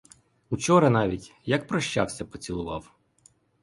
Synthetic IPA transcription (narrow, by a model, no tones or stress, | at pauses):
ut͡ʃɔɾɐnɑʋʲitʲjɐk̚pɾɔʃt͡ʃɑ̰wsʲɐpɔt͡sʲilˠʊʋɑw